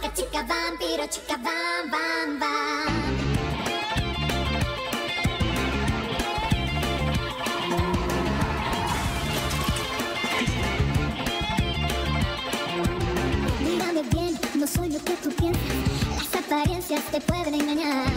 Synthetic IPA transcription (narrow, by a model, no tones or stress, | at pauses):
kat͡ʃikabampeɾot͡ʃi̥kababamba | miɣameβjennosweɲosket̪upjensaest̪apaɾjensjat̪epweðeneŋɡaɲa